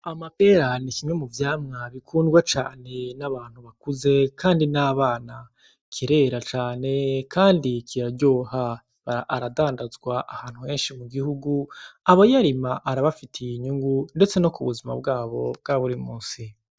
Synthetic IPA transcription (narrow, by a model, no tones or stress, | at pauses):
amapeɾanikimɲemuvjaːmŋaβikʰuːndɡwat͡ʃa̰ːne̞naβaːn̥huβakuze̞kʰaːndinaːβaːna | kʰiɾe̞ɾat͡ʃaːne̞kʰaːndikʰiɾaɟoːha | βaaʔːɾadaːndazɡwaʔahaːn̥huhe̞ːnʃimuɡihuɡuaβo̞jaɾimaʔaɾaβafitʰijiɲuŋɡunde̞t͡se̞no̞kuβuzima̰bɡaːβo̞bɡaβuɾimuːnsi